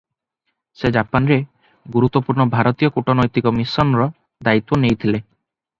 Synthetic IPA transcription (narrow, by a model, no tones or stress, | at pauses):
sed͡ʒapanɾe | ɡuɾut̪ːɔpuɾɳɔbʱaɾɔt̪ijɔkuʈɔnɔjt̪ikɔmisɔnɾɔ | d̪ait̪wɔnejt̪ʰile